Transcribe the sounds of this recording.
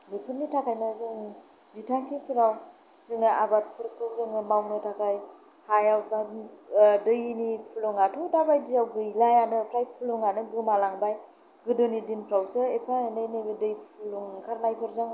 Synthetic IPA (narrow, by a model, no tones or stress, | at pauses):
mipʰɯɾnitʰakʰajnazɯŋ | bitʰaŋkʰipʰɯɾaw | zɯŋɯabat̚pʰɯɾkʰɯwzɯŋɯmawnɯtʰakʰaj | hajawkʰa | dɯjnipʰɯlɔŋatʰɔwdabajdijawɡɯjlajanɯpʰɾaj̚pʰɯlɔŋanɯɡɯmalaŋbaj | ɡɯdonidinpʰɾawsɯepʰaenajnɯɡɯdɯjpʰuloŋkʰaɾnajpʰɯɾzaŋ